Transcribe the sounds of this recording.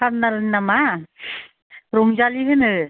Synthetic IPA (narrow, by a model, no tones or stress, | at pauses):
apnalɯnnama | ɾuŋzaliɦɯnɯ